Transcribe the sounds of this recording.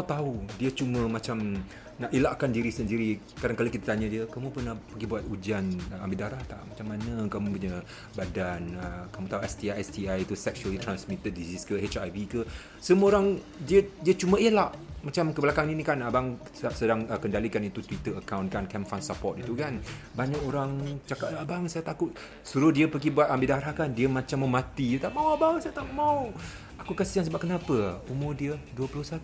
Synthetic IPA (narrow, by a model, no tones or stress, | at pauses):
at̪audiət͡ʃumə̃mat͡ʃam | naʔelaʔkandiɾisəndiɾi | kadaŋkalokit̪at̪aɲãdiəkamũpərnahpəɡibuat̪ud͡ʒanəambiʔdaɾaht̪aʔmat͡ʃamːanəkamupuɲa | badanəkamũt̪auɛst̪iaɛsiajt̪usɛk̚ʃuəlit̪ɾansmit̪ət̚disiskəhet͡ʃajbikə | səmũoɾaŋ | diədiət͡ʃumə̃elaʔmat͡ʃamkəbəlakaŋinikanabaŋsəapsədaŋəkəndalikanit̪ut̪wit̪əəkawnkankɛmfansapɔt̪̚it̪ukanbaɲakoɾaŋt͡ʃakatabaŋsajat̪akʊt̪̚ | suɾʊhdiəpəɡibuat̪̚ambidahaɾahkandiəmãt͡ʃamːəmat̪iət̪amawabaŋsajat̪akʔmau | akukasəaŋsəbap̚kənapəumʊrdiəduəpəlʊhsat̪u